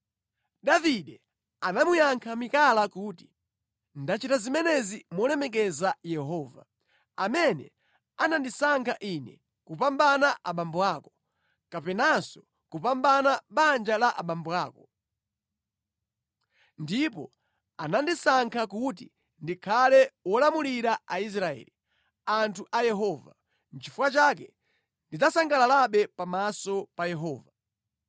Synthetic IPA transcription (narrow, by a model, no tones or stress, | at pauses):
ɗaviɗɛ | anamujaŋkʰamikalakuti̥ | ndat͡ʃitazimɛnɛzimɔlɛmɛk̬ɛzajɛɦɔːva | amɛnɛ̰ | anandisaŋkʰaʔinɛ̰ | kupambanaʔaɓambuaːkɔ | kapɛnasɔ | kupambanaɓand͡ʒalaʔa̰ɓambuaːkɔ | ndipɔ̰ | anandisaŋkʰakut̬i | ndikʰalɛwɔlamuliɾaais̬ɾaɛ̰ːli | antʰuʔajɛɦɔːva | n̩t͡ʃifukat͡ʃakɛ | ndid͡zasaŋɡalalaɓɛpamasɔpajɛɦɔːva